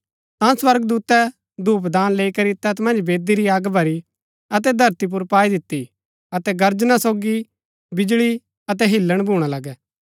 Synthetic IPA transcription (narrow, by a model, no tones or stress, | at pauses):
t̪ãːswɐɾɡd̪uːt̪ɛ | d̪ʱuːp̬d̪aːnleːikɐɾit̪ɛt̪mɐ̃nd͡ʒbeːd̪iɾiaːɡbʱɐɾi | ɐt̪̬ɛd̪ʱɐɾt̪ip̬ʊɾpaːid̪ɪt̪ːi | ɐt̪ɛɡɐɾd͡ʒnasoːɡi | bɪd͡ʒɭi | ɐt̪̬ɛɦɪlːəɽ̃bʱuːɽ̃alɐɡɛː